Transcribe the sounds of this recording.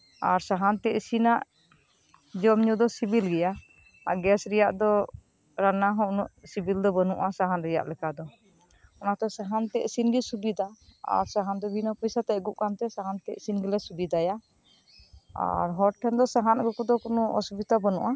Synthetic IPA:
aɾsaɦant̪ɛʔsinaʔ | d͡ʒɔmɲud̪ɔsibilɡɛja | aɡɛsɾɛjaʔd̪ɔ | ɾanaɦɔ̃ʔnuʔsibild̪ɔbənuʔasaɦanɾɛja̰ʔlɛkad̪ɔ | ɔnat̪ɛsaɦant̪ɛʔsinɡisubid̪aa̰ɾsaɦand̪ɔbinɔpɔjsat̪ɛʔɡuʔkant̪ɛsaɦant̪ɛʔsinɡɛlɛsubid̪aja | a̰ɾɦɔʈʰːɛnd̪ɔsaɦanɡɔkud̪ɔkunuɔ̰subit̪abənṵʔa

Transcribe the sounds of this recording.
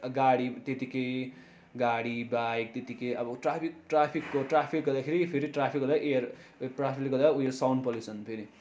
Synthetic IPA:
ɡaɽit̪et̪ikej | ɡaɽibajk̚t̪et̪ikejʌbʌʈrapʰik̚ʈrapʰikːoʈrapʰikɡʌrd̪akʰeɾipʰeɾiʈrapʰikɡʌd̪aʔerprapʰiklɡʌd̪aujesawnpʌlit͡sʰʌnpʰeɾi

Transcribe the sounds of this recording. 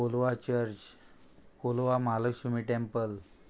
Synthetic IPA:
olʋat͡ɕəɾt͡ɕ | kolʋamaləksumiʈempəl

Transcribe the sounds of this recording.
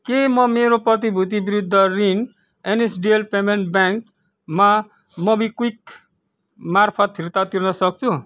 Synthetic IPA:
kemʌmeɾoprʌt̪̬ibʱut̪̬ibiɾud̪ʱːʌrin | enesɖielpemeɳʈbjaŋk | ma | mʌbikuik | marpʰʌt̪ɦirt̪at̪irnʌsʌk̚t͡sʰu

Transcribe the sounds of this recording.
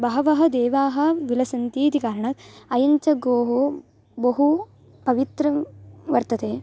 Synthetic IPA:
bɐɦɐʋɐɦɐ̆d̪eːʋaːɦɐ̆ʋilɐsɐnt̪iːt̪ikaːɾɐɳɐt̪ɐjɐɲt͡ʃɐɡoːɦo | bɐɦu | pɐʋit̪ɾɐʋɐɾt̪ɐt̪eː

